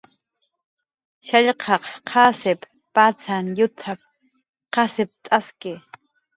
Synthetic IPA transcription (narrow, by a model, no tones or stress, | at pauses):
ʃaʎqʰɑqqʰɑsɪpː | at͡sʰanjʊt̪ʰap̚ | qɑsɪp̚t̪ʼaskɪ